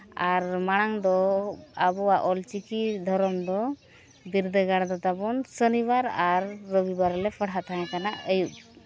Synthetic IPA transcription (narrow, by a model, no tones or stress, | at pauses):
aɾmaɽ̃aŋd̪ɔabɔwaʔɔlt͡ʃikid̪ʱɔɾɔmd̪ɔ | biɾd̪əɡaɽd̪at̪abɔnsənibaɾaɾːəbibaɾlɛpʰəɽat̪aɦɛ̃kanaʔəjuʔ